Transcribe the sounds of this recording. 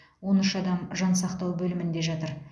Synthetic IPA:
wo̞nʏʃɑd̪ɑmʒɑnsɑqt̪ɑwbɵlɪmɪnd̪e̞ʒɑt̪əɾ

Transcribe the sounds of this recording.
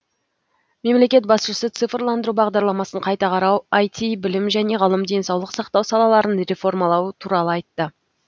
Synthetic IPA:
me̞mle̞kʲe̞t̪̚bɑsʃəsət̪sɨfrlˠɑnd̪əɾubɑʁd̪ɑɾlˠɑmɑsəɴqʰɑjt̪ɑqʰɑɾɑwɑjt̪ʰʲibɪlɪmʒæne̞ʁəlˠəmd̪e̞nsɑwlˠəqsɑqt̪ɑwsɑlˠɑlˠɑɾənɾe̞fo̞rmɑlˠɑwət̪ʰuɾɑlˠəɑjt̪ːə

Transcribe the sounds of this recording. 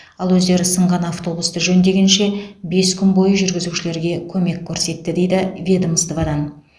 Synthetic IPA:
ɑlˠwɵzd̪e̞ɾɪsəɴʁɑnaft̪o̞bust̪əʒɵnd̪e̞ɡʲenʃe̞be̞skʲʰʏnbo̞jəʒʏɾɡʲɪzuʃɪle̞ɾɡʲe̞kʲʰɵme̞kʲʰːɵɾse̞t̪ːɪd̪e̞jd̪ɪvʲed̪əməst̪əvɑd̪ɑn

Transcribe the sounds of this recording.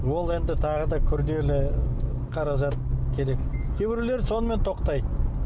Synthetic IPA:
wo̞lˠe̞nd̪ɪt̪ʰɑʁəd̪ɑkʲʰʏɾd̪e̞lɪ | qʰɑɾɑʒɑt̪̚kʲʰe̞ɾe̞kkʲʰe̞bɪɾule̞ɾso̞nəme̞nt̪ʰo̞qt̪ɑj

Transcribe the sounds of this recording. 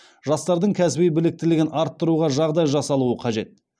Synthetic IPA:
ʒɑst̪ɑɾd̪əɴkʲʰæsɪbejbɪlɪk̚t̪ɪlɪɡʲɪnɑɾt̪ːəɾuʁɑʒɑʁd̪ɑjʒɑsɑlˠuəqʰɑʒe̞t̪̚

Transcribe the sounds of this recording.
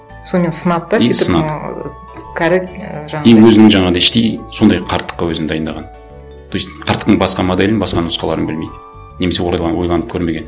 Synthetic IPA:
sonme̞nsənɑd̪d̪ɑssənɑd | kʲʰæɾɪkʒɑejwɵzɪnɪŋʒɑɴɑʁnɪʃt̪ejso̞nd̪ɑjqʰɑɾt̪ːə̥qːɑwɵzɪnd̪ɑjənd̪ɑʁɑn | t̪ʰojsqʰɑɾt̪ːə̥qt̪əŋbɑsqɑmod̪elɪnbɑsqɑnʊsqɑlˠɑɾənbɪlmejd̪ɪ | ne̞me̞s̬e̞woɾjlˠɑwojlˠɑnəp̚kʰʲɵɾme̞ɡʲe̞n

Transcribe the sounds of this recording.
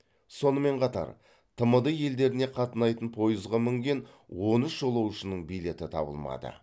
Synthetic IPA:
so̞nəme̞ɴqʰɑt̪ɑ̰ɾ | t̪ʰəməd̪əje̞ld̪e̞ɾɪne̞qʰɑt̪ənɑjt̪ənpʰo̞jəzʁɑmʏŋɡʲe̞nwo̞nəsʒo̞lˠɑwʃənəɴbijle̞t̪ɪt̪ʰɑ̰bə̰lˠmɑ̰d̪ə̰

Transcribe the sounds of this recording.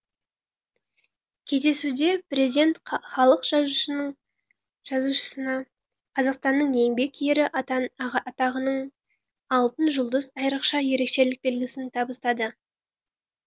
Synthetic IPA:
kʲʰe̞zd̪e̞sud̪e̞prezid̪ʲe̞nt̪χɑlˠəqʒɑɴ | ʒ̥ɑzuʃə̥sənɑ | qʰɑzɑqst̪ɑnːəɴje̞ŋbe̞kjeɾɪ | ɑt̪ɑʁənəɴ | ɑlˠt̪ənʒʊlˠd̪əzɑjɾəqʃɑje̞ɾe̞kʃe̞lɪk̚be̞lɡʲɪsɪnt̪ʰɑbəst̪ɑd̪ə

